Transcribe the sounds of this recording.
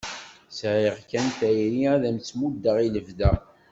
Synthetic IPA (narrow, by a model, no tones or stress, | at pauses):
sʕiʁkænt̪æjɾiæðæmt͡sːmud̪ːəʁiləvðæ